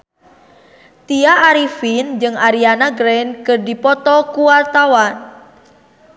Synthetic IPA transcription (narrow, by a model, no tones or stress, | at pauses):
t̪iaʔːɾifind͡ʒɨŋaɾianaɡɾɛnkɨrdipɔt̪ɔkuwart̪awan